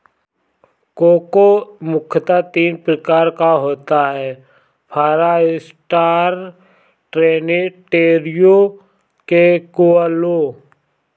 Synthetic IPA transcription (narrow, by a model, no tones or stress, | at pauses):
koːkomʊkʰət̪at̪iːnpɾəkaːɾkaɦoːt̪aɦɛː | pʰaːɾaɪs | ʈaːɾ | ʈɾeːneʈeːɾjo | kekualo